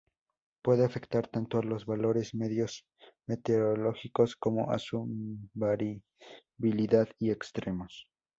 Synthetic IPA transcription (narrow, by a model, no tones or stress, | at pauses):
pwe̞ðeafe̞kt̪aɾt̪ant̪oalo̞zβalo̞ɾe̞zme̞ðjo̞s | me̞t̪eɾolo̞xiko̞sko̞mo̞̰ʔa̰subaɾ | βiliðaðiekst̪ɾe̞mo̞s